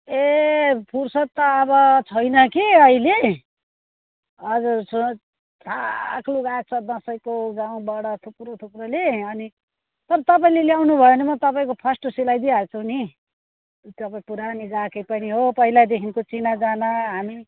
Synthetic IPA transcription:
epʰursʌt̪ːʌːbʌt͡sʰʌjnʌkiʌɦile | ʌd͡zursu | t̪ʰakluɡak̚t͡sʰʌd̪ʌ̃sʌjkoɡãw̃bʌɽʌt̪ʰukrot̪ʰukroleʌni | t̪ʌɾʌt̪ʌp̬aĩleljawnubʱʌenʌmʌt̪ʌpaĩkopʰʌsʈosilajd̪iat͡sʰuni | t̪ʌpaĩpuɾaniɡakʌjpʌniɦopʌɦilad̪ekʰinkot͡sinad͡zanʌɦami

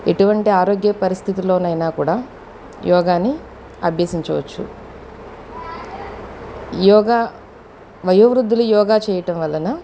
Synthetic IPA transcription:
ḛʈuʋɐɳʈiaːɾoːɡjɐpɐɾist̪ʰit̪iloːnɐjnaːkuːɽaː | jʔɔːɡaːnːi | ɐ̰bʱjɐːsiɲt͡ʃɐʋɐ̰t͡ʃːṵ | jɔːɡaː | ʋɐjɐʋɾud̪ːulujɔːɡaːt͡ʃɛːjɐʈɐmʋɐlːɐnɐ

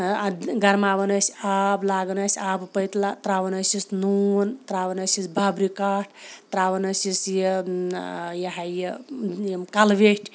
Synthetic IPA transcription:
ɡɐɾmaʋɐnəsʲablaːɡnɐsʲabpəjt̪lat̪ɾaʋɐnəsisnunt̪ɾaʋɐnəsisbʱabɾikaːʈʰt̪ɾaːʋɐnɐsisje | jɐɦaje | kalʋeʈʰʲ

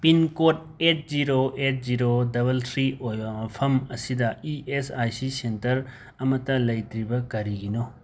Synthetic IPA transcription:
pinkoʈ̚ | eʈ̚ʰziɾoeʈ̚ziɾodɐbɐlt̪ʰɾiojampʰɐmɐsid̪aiesajsisentɐɾ | ɐmɐt̪ɐlɐjt̪ɾibɐkɐɾiɡino

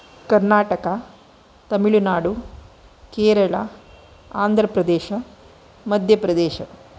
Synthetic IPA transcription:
kɐɾnaːʈɐka | t̪ɐmiɭunaːɽu | keːɾɐɭɐ | aːnd̪ʱɾɐpɾɐd̪eːʃɐ | mɐd̪ʱjɐpɾɐd̪eːʃɐ

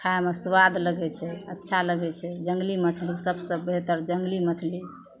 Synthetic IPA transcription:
kʰaemesʋad̪ləɡɛt͡ʃʰɛətːʃʰaləɡɛt͡ʃʰɛd͡ʒəŋɡlimət͡ʃʰlisəbsəbːeɦt̪əɾd͡ʒəŋɡlimət͡ʃʰli

